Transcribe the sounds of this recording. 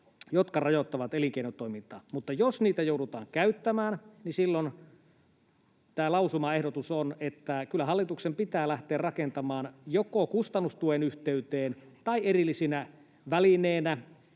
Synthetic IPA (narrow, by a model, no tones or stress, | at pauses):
jot̪kɑrɑjot̪ːɑʋɑt̪eliŋkeinot̪ːoimint̪ɑ̰ːmut̪ːɑjosniːt̪æjouɾut̪ɑ̰ːŋkæyt̪ːæmæːnnisilːon | t̪æːlɑusumɑehdot̪usonet̪ːækylːæɦɑlːit̪uksempit̪æːlæht̪eːrrɑkent̪ɑmɑːnjokokust̪ɑnːust̪uenyht̪eyt̪eːnt̪ɑierilːisinæ | ʋælineːnæ